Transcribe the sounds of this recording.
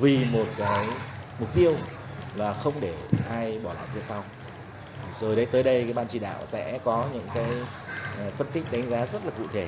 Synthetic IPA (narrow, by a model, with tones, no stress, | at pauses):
vi˨˩mo˨˩t̚kaː˨˦jmʊ˨˩k͡p̚t̪i˧əw | laː˨˩xə˧wŋ͡mɗe˧˩ʔaː˧jɓɔ˧˩la̰ː˧˨wt̪ʰe˧˩sa˧w | zo˨˩jɗə˨˦jt̪əː˨˦jɗə˧jkaː˨˦jɓaː˧nt͡ɕi˧˩ɗa̰ː˧˨wsɛ̰˧˥kɔ˨˦ɲɨ̰˧˥ŋkaː˨˦j | fə˧nt̪ï˦˥k̟̚ɗa˨˦jŋ̟zaː˨˦zə˦˥t̚laː˨˩kṵ˧˨t̪ʰe˧˩